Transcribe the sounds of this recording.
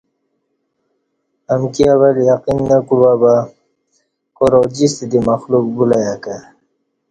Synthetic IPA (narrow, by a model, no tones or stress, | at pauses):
amkiaβaljaqinːakuɽwaba | koɾod͡ʑist̪id̪imaxluk̚bulajaka